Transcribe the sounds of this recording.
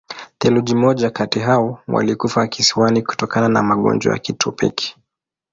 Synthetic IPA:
θɛluʄimɔʄakatiɦaɔwa̰likufakisiwaniku̥tɔkanana̰maɠɔ̰nd͡ʒɔ̰ja̰kitupḭki̥

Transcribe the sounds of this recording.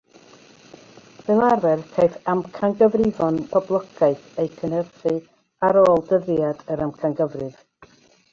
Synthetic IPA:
vɨlˠarvɛrkʰejθamkʰaŋɡəvrɪvɔnpʰɔblˠɔɡajθejkʰənərθɨ | aɾoːlˠdəðjadəɾamkʰanɡəvrɨv̥

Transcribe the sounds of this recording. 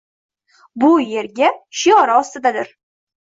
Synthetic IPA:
bʊje̞ɾɡʲaʃijɒɾaɒst̪ɪd̪ad̪ɪɾ

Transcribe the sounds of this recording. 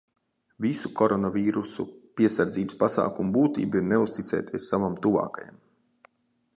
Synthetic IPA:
visukʰɔɾɔnaviːɾusṵpiɛsaɾd̪ziːbspasa̰ːkumubuːt̪ḭːbiɾneust̪it̪sɛ̰ːt̪ʲiɛsːavamt̪uva̰ːkaja̰m

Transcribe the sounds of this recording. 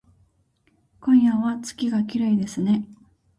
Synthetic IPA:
kõ̞ɰ̃jaβat͡sɨ̥kʲiɡakʲiɾaid̪e̞sɨne̞

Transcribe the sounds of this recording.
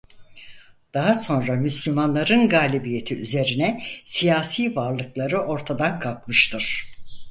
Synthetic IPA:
d̪̥aɦaso̞nɾamyslʲymanlˠaɾɯnɡaːlʲibije̞t̪ʰiyze̞ɾinɛsijaːsiːvaɾlˠɯklˠaɾɯʔo̞ɾt̪ʰad̪ankʰalˠkmɯʃt̪ʰɯɾ̥

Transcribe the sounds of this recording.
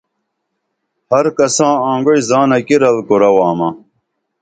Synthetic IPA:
hɐɾkɐsãːãːŋɡoizaːnɐkiɾɐlkoɾɐwaːmɐ

